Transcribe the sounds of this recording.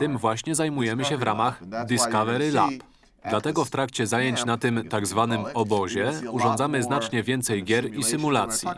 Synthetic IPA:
t̪ɘmvwaɕɲɛzajmujɛmɘɕɛvɾamaxd̪ɘskavɛɾɘla̰p | d̪lat̪ɛɡɔft̪ɾakt͡ɕɛzajeɲt͡ɕnat̪ɘmt̪aɡzvanɘmɔbɔʑɛuʐɔnd̪zamɘznat͡ʂɲɛvʲjɛnt̪sɛjɡʲjɛɾisɘmulat̪sʲjḭ

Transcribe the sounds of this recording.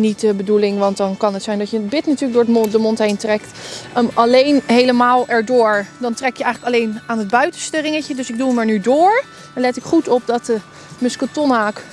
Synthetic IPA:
nitəbədulɪŋʋɑntdɑnkɑnɦətsɛjndɑtjəbɪtnatyːɹəkɡdʊːɹədəmɔntɦejntrɛktəɑlejnɦejləmaːlˠɛɹdʊːɹdɑntrɛkjəɛjχələkɑlejnaːnɦəd̚bœɥtənstərɪŋəcədɵsɪɡ̚duləmɛɹnydʊːɹ | ɛlɛtɪkχutɔp̚dɑtə | mɵskətonaːk

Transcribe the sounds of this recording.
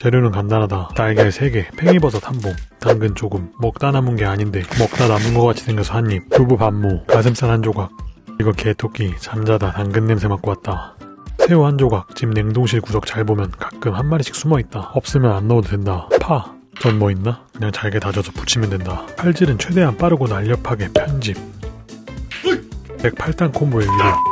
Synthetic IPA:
t͡ɕeɾjonɯnkandanɦadataɭɡiesʰe̞ɡe̞pʰe̞ŋibʌsʰʌtʰamboŋtaŋɡɯnt͡ɕoɡɯmːʌk̚t͈anamunɡe̞aɲinde̞mʌk̚t͈anamunɡʌk͈at͡ɕʰidenɡʌsʰɯhaɲːip̚kubupamːukasʰɯms͈anɦand͡ʑoɡak̚iɡʌke̞tʰok͈ʰit͡ɕamd͡ʑadataŋɡɯnːemsʰeŋwak͈oat̚t͈asʰe̞ohand͡ʑoɡak̚t͡ɕimne̞ŋdoŋɕʰiɭkusʰʌk̚t͡ɕaɭbomjʌnkḁk̚k͈ɯmhanmaɾɕʰi̥k̚s͈ʰumʌit̚t͈aʌp̚s͈ɯmjʌnanːʌdodwe̞ndapʰa | t͡ɕʌnmʌinːakɯɲaŋt͡ɕaɭɡe̞tad͡ʑʌsʰʌpu̥t͡ɕʰimjʌndwe̞ndapʰaɭd͡ʑiɾɯnt͡ɕʰwe̞de̞ɦanp͈aɾɯɡonaʎːʌpʰaɡe̞pʰjʌnd͡ʑip̚ | pe̞k̚pʰaɭt͈ʰankʰombueɥie

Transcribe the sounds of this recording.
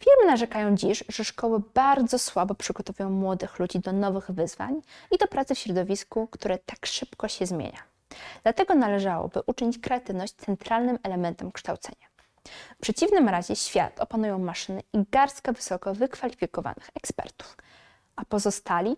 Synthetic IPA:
fʲiɾmɘnaʐɛkajɔ̃w̃d͡ʑiʂʐɛʂkɔwɘbaɾd̪zɔswabɔpʂɘɡɔt̪ɔvujɔ̃w̃mwɔd̪ɘxlud͡ʑid̪ɔnɔvɘɣvɘzva̰ɲid̪ɔpɾat̪sɛfɕɾɔd̪ɔvʲiskukt̪uɾɛt̪akʂɘpkɔɕɛzmʲjḛɲa | d̪̥lat̪ɛɡɔnalɛʐawɔ̰bɘʔut͡ʂɘɲit͡ɕkɾɛat̪ɘvnɔɕt͡ɕ̚t̪sɛnt̪ɾalnɘmɛlɛmɛnt̪ɛmkʂt̪awt̪sɛ̰ɲa | fpʂɛt͡ɕivnɘmɾaʑɛɕfʲja̰t̪ɔpanujɔ̃w̃maʂɘnɘʔiɡaɾskavɘsɔkɔvɘkfalʲifʲikɔva̰nɘxɛkspɛ̰ɾt̪u̥f | ʔapɔzɔst̪alʲi

